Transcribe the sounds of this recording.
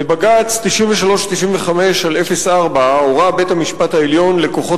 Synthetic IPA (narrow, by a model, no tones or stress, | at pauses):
baɡat͡st̪iʃiɱveʃalo̞ʃt̪iʃimveχame̞ʃale̞fe̞saʁbaoʁabe̞t̪hamiʃpat̪aeljo̞nle̞ko̞χo̞